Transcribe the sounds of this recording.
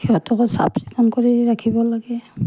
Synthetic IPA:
hiatɔkɔsa̰psikamkoɹiɹakʰibɔlaɡɛ

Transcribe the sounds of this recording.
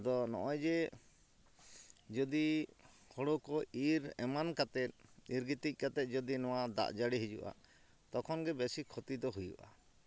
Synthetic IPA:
d̪ɔnɔ̰ʔɔjd͡ʒɛ | d͡ʒɔd̪ihɔɽɔkɔiɾɛ̰mankat̪ɛt̪̚iɾɡit̪ic̚ˀkat̪ɛt̪̚ˀd͡ʒɔd̪inɔwad̪a̰ʔd͡ʒaɽiɦid͡ʒṵʔa̰ | t̪ɔkʰɔnɡɛbɛsikʰɔt̪id̪ɔɦujṵʔa̰

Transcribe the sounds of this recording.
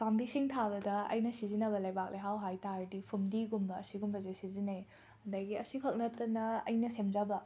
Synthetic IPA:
pambisiŋtʰabɐdɐɐ̰jnɐsizinɐbɐlɐjbak̚lejɦawɦajtaɾdipʰumdiɡumbɐːsiɡumbɐzesizine | ɐndajɡiɐsikʰɐk̚nɐtːɐnɐɐ̰jnɐsemzabɐ

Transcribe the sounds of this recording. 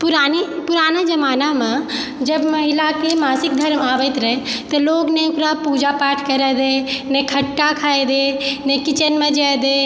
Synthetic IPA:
pʊɾaːnipʊɾaːnad͡ʒɐmaːnamẽ | d͡ʒɐbmɐɦɪlakemaːsɪk̚d̪ʱɐɾmaːʋət̪ɾɐɦet̪ɐloːɡnekɾapuːd͡ʒapaːʈʰkɐɾed̪eːnekʰɐʈːakʰaːed̪eːnekɪt͡ʃənmẽd͡ʒad̪eː

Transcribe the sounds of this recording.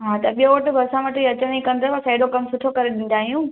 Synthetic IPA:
ɦãːt̪ɐɓijõʋɐʈɪ̆bʱɐɾsãʋɐʈɪiɐt͡ɕəɽ̃ĩkɐ̃nd̪ʱaʋɐsaːɪɖokɐmsʊʈʰokɐɾeɗĩːn̆d̪aːɦijũː

